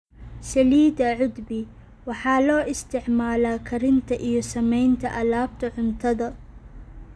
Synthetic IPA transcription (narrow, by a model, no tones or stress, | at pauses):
sɐliːd̪ɐʕʊd̪bɪ | wɑħɑːlɔːʔɪst̪ʰɪʕmaːlaːkʰɐɾɪnt̪ʰɐʔijɔsɐmɛjnt̪ʰɐʔɐlaːb̚t̪ʰɐʕʊnt̪ʰɐðɐ